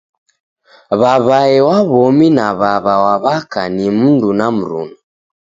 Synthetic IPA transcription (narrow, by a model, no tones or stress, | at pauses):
βaβaɛwaβɔminaβaβawaβakanimundunam̩ɾṵnɔ